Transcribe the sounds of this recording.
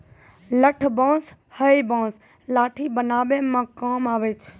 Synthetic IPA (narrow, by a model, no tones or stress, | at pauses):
ləʈʰbãːs | həibãːs | laːʈʰiːbənaːʋeːmãːkaːmaːʋeːt͡ʃʰ